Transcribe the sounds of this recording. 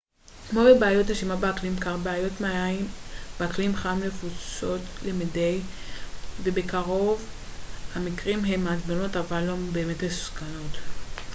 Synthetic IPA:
kmo̞bebeajo̞theʃimabeaklimkaʁbeajo̞tmaaimb̥eaklimχaimnefut͡so̞tlemidej | ve̞bekaʁo̞vhamikʁimɦe̞mazmenotavalombe̞ːmetmeskano̞t

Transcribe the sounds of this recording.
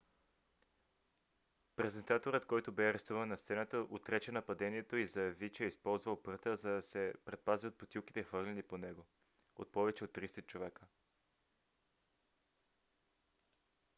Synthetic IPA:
pɾɛzɛnt̪at̪oɾət̪kɔjt̪obɛɐɾɛst̪uvənːɐst̪sɛnət̪əʔot̪ɾɛt͡ʃɛnɐpɐd̪ɛniɛt̪oizɐvit͡ʃɛispɔlˠzvəlˠpt̪əzɐd̪ɐsɛpɾɛt̪̚paziot̪̚pot̪ʲilˠk̟i̥t̪ɛxvɤɾlʲɛniponɛɡo | o̰t̪̚pɔvɛt͡ʃɛot̪ːɾisɛt͡ʃovɛkə

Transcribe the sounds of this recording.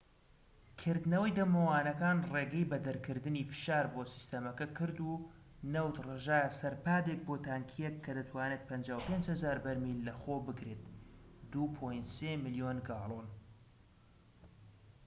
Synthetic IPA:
kʰɨɾd̪nɐwɐjd̪ɐmɐwaːnɐkaːnreːɡɛjbɐd̪ɐɾkʰɨɾd̪ɨniːfɨ̥ʃaːɾbosi̥st̪ɐmɐkɐkʰɨɾd̪uː | nɐwt̪reʒaːjɐsɐɾpaːd̪ek̚bot̪ʰaːŋkʰijɛkʰːɐd̪ɐt̪ʰwaːneːt̪̚pʰɐnd͡ʒaːwpend͡ʒhɐzaːɾbɐɾmilːɐxoːbɨɡɾet̪d̪upʰojnt̪seːmɨlijoːnɡaːlˠon

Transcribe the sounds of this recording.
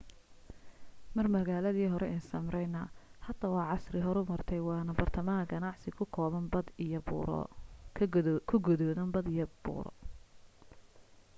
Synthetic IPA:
mɐrmɐɣaːlɐðiːɦɔɾɛʔɛnsɐmrɛjnɐhɐd̪ɐwɑːʕɑsrɪɦɔɾʊmɐrt̪ʰɛjwɑːnɐbɐrt̪ʰɐmɐɦɐɡɐnɑʕsɪkʰʊkʰɔːβɐnbɐd̪jb̰ | kʰʊɡʊðɔðɐnbɐd̪ɪjɐbṵːɾɔ̰

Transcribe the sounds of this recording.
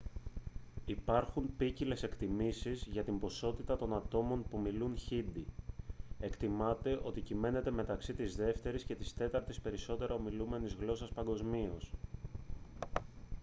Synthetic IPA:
ipɐɾxunpicile̞se̞kt̪imisizʝɐt̪imbo̞so̞t̪it̪ɐt̪o̞nɐt̪o̞mo̞npumilunçind̪i | e̞kt̪imɐt̪e̞ʔo̞t̪icime̞ne̞t̪e̞me̞t̪ɐksit̪izðe̞ft̪e̞ɾisce̞t̪ist̪e̞t̪ɐɾt̪ispe̞ɾiso̞t̪e̞ɾɐo̞milume̞nizɣlo̞sɐspɐŋɡo̞zmio̞s

